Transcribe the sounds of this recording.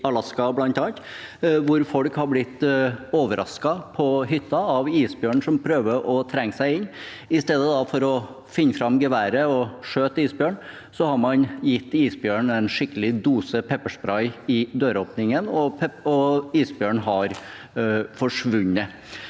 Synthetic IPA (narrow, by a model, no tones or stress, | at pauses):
ɑlɑskɑblɑnt̪ɑːnt̪ʋʊɾfɔɽkhɑɾblɪt̪ːoːʋəɾʔɑ̰skɑpʰɔɦʏt̪ːɑɑʋiːsbjøːɳʂɔmpʰɾøːʋəʔɔt̪ʰɾɛŋːsæɪɪɲː | ɪst̪eːd̪əd̪ɑfɔɾɔ | fɪnːəfɾɑmɡəʋæːɾəɔʂøːt̪iːsbjøːɳ | sɔhɑɾmɑnjɪt̪ːiːsbjøːɳɛɪnʂɪkːəlɪd̪uːsəpʰɛpːəʂbɾɑɪɪd̪øːɾoːpnɪŋənɔɛɔiːsbjøːɳɦɑɾ | fɔʂʋʉɲːə